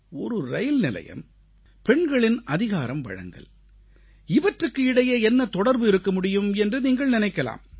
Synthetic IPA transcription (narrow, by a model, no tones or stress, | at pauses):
ɔɾɯɾɐjɪlnɪlɐ̰jɐ̰m | pɛɳɡɐɭɪnʔɐðɪɣaːɾɐmʋɐ̰ɻɐ̰ŋɡɐ̰ɭ | ɪʋɐʈrɯkːɯɪɽɐjeɛnːɐt̪ɔɽɐɾbɯɪɾɯkːɐmʊɽɪjɯmɛndrɯniːŋɡɐɭnɪnɐɪkːɐla̰ːm